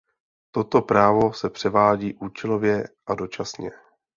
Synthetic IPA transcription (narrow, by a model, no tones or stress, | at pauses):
t̪o̞t̪o̞pɾaːvo̞sɛpr̝̥ɛvaːɟiːʔuːt͡ʃɛlo̞vjɛʔado̞t͡ʃasɲɛ